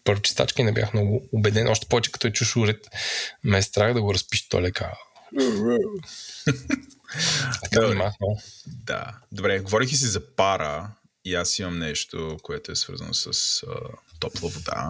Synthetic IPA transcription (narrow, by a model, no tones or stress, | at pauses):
pəɾvot͡ʃɛ̥st̪a̰t͡ʃkəinɛbʲjʔa̰xmnɔɡʊːbɛd̪ɛnʔɔʃt̪ɛ̥pɔvɛt͡ʃɛ̥kɐ̥t̪ɔɛt͡ʃuʃuɾɛt̪mɛst̪ɾaxd̪ɐɡoɾɐspiʃt̪ɔ̰lɛka̰ | ɐ̥kamaxnod̪a̰d̪obɾɛɡovɔɾikʲis̬izɐpaɾə | iasimɐmnɛʃt̪okoɛt̪ʊɛsvə̰ɾzə̰no̰sɐsə̰t̪ɔplˠəvod̪a̰